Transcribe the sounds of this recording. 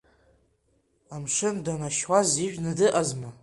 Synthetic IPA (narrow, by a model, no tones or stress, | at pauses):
amʂɨndanaʃwaziʒᶣnɨdɨʔazma